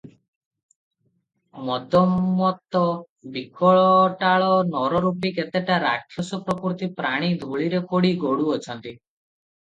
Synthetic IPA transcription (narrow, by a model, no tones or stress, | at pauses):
mɔd̪ɔmːɔt̪ɔ | bikɔɭɔʈaɭɔnɔɾɔɾupiket̪eʈaɾa̰kʰjɔsɔpɾɔpuɾt̪ipɾaɽ̃id̪ʱoɭiɾekoɽiɡoɽuɔt͡ʃʰɔnt̪i